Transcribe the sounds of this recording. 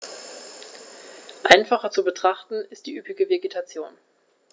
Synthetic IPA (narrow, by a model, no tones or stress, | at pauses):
ʔaɪnfaχɐt͡subətʁ̥aχtn̩ɪstd̥iːʔyːpɪɡəveɡetʰat͡sjoːn